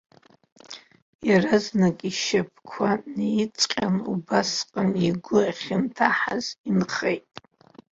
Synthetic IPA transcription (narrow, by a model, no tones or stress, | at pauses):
jaraznakʼiʃap̚ʰkʷʰanejit͡sʼqʲʼanṵbasqʼəniɡʷʊaχʲɪntʰaħa̰z̥inχejtʼ